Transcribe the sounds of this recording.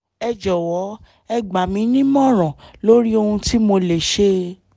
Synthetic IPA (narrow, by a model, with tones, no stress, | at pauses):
ɛ˧d͡ʒɔ˨wɔ˨˦ | ɛ˧ɡ͡ba˨mĩ˨˦nĩ˦mɔ̃˦˨ɾ̃ɔ̃˨lo˦ɾi˦o˧hũ˧ti˦mo˧le˨ʃe˧